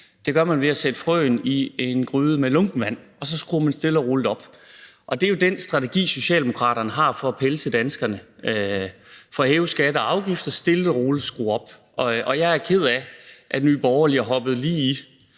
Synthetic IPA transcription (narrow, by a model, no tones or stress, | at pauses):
d̥e̝ɡ̥ɶɐmænʋe̝æsed̥əfʁœ̰ːnie̝nɡ̥ʁyːðˠəmelɔ̽ŋb̥n̩ʋæn̰ | ɒ̽sɒ̽sɡ̥ʁuːɐmænsd̥e̝ləɒʁuləɒ̽b̥ʔɒ̽d̥e̝jo̝d̥ensd̥ʁɑ̈t͡sʰe̝ɡ̥ḭːso̝ɕɛ̰ːld̥e̝mo̝kʰʁɑ̰̈ːɾ̥ɐnəɦɑ̈fɒ̽ːpʰeləsʰed̥ænsɡ̥ɐnə | fɒ̽heːʊsɡ̥æd̥əɒɑ̈ʊɡ̥ifd̥ɐsd̥e̝l̥əʁoːləsɡ̥ʁṵːɒ̽b̥ | ʔɒʔɒ̽jɑ̈ɪæɐkʰe̝ð̞̰ˠæʔæd̥ny̰ːb̥ɒʊɐliɐɦɒ̽b̥ð̞̩ˠliːi